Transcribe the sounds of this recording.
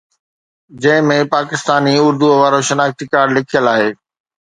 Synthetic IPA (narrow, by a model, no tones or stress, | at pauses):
d͡ʑɐ̃ɦɪ̃mẽpaːkɪst̪aːniʊɾd̪uoʋaːɾoʃɐnaːxt̪ikaːɽlɪkʰijəlaːɦeː